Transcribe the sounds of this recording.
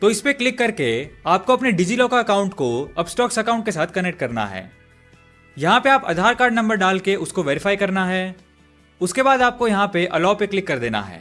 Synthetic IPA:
t̪oɪspeklɪkːɐɾkeaːp̚koɐpneɖɪd͡ʒilɔːkaɐkaːʊ̃ɳʈkoɐbsʈɔːksɐkaːʊɳʈ̚kesaːt̪ʰkɐnek̚ʈ̚kɐɾna̰ɦɛ̰ː | jɐɦãpeaːpɐ̰d̪ʱaːɾkaːɾɖnɐ̃mbəɾɖaːlkeʔʊskoʋeːɾɪfaːikɐɾnaɦɛː | ʊskebaːd̪aːp̚kojɐɦãpeʔɐlɔːpeklɪkːɐɾd̪eːna̰ɦɛ̰ː

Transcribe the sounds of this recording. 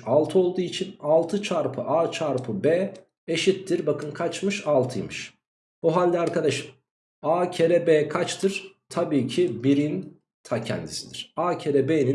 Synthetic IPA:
alˠt̪ʰɯo̞lˠd̪uːit͡ʃʰinalˠt̪ʰɯt͡ʃʰaɾpʰɯʔaːt͡ʃʰaɾpʰɯbɛː | eʃit̪ːiɾbakʰɯnkʰat͡ʃmɯʃalˠt̪ʰɯjmɯʃ | buɦalʲd̪ʲiaɾkʰad̪aʃɯ | aːcʰeɾɛbeːkʰat͡ʃt̪ʰɯɾ̥t̪ʰabiːcʰibiɾin | t̪ʰacʰɛ̰nd̪isid̪iɾ̥aːcʰeɾɛbeːni

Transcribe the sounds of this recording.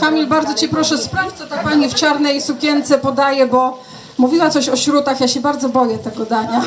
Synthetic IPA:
kamʲilbaɾd̪zɔt͡ɕipɾɔʂɛspɾaft͡ɕsɔt̪ak̚paɲift͡ʂaɾnɛjsukʲjɛnt̪sɛpɔd̪ajɛbɔ | muvʲiwat̪sɔɕɔɕɾut̪axjaɕɛbaɾd̪zɔbɔjɛt̪ɛɡɔd̪aɲa

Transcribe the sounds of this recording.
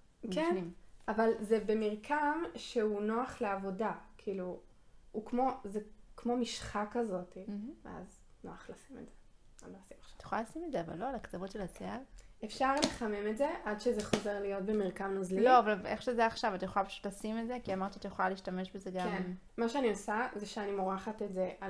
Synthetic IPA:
kenimʔavalzebemiʁkʰamʃeuno̞aχleavo̞dakʰiilu | ukmo̞zekmo̞miʃχakazo̞tivḛa̰z | no̞aχlasimetze | anoasimḁʃḁtajeχolalasimetzeava̰lːo̞alakt͡savotʃelasealefʃaʁleχamemetze̞ʔadʃezeχo̞ze̞ʁlijo̞t̚bemiʁkamnuzlilo̞avalveχʃezeaːχʃavatajeχoapḁʃu̥tlasimedze̞kiamaʁt̪iatajeχolaliːʃtame̞ʃbe̞zeɡkamen | maʃeaniosazeʃeanimoʁaχatetzea

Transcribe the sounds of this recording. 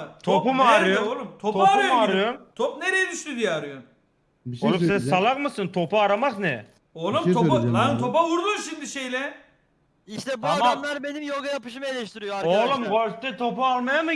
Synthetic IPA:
t̪ʰopumaɾɯjoolˠumt̪ʰot̪oumaɾɯjomt̪ʰopneɾejɛd̪yʃt̪yd̪ijɛaɾɯjon | olˠusɛnsalˠaχmɯsɯnt̪ʰopuaɾamaznɛ | olˠumʰonaɯnt̪ʰopauɾd̪unʃind̪iʃejlʲɛ | iʃt̪ɛbuaamdamlˠaɾbe̞nimjolˠɡajapɯʃ̬ɯmaelʲɛʃt̪iɾijoaolˠumɡoɾst̪ɛt̪ʰo̞pualˠmajamɯ

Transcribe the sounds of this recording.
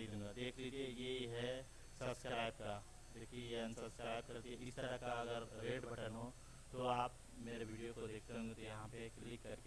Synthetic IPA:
ẽɡad̪eːkʰlid͡ʒejeɦɛ | sɐbskɾaːɪb̚ka | d͡ʒoːkijɐ̃sɐbskɾaːɪb̚kɐɾt̪ieɪst̪əɾakaɐɡəɾɾeːʈbɐʈənɦo | t̪oaːp | meːɾeʋʱiɖijokod̪eːkʰt̪eɦõŋɡet̪ojɐɦãpeklɪkːɐɾke

